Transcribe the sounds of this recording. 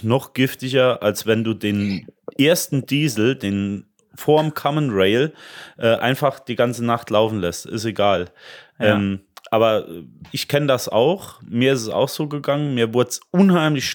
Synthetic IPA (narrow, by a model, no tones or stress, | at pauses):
nɔχɡ̥ɪftɪɡɐʔalsv̥ɛnduːdeːnʔeːɐstn̩diːzl̩deːn | foːɐmkʰɔmənʁɛɪlʔɛːʔaɪnfaχd̥iːɡant͡sənaχtlaʊfn̩lɛstɪ̰seɡaːlʔʔɛːmʔaːbɐʔɛʔɪçkʰɛnədasa̰ʊxmiːɐɪstɛsa̰ʊxz̥oːɡəɡaŋənmiːɐvʊɐtsʔʊnhaɪmlɪçʃ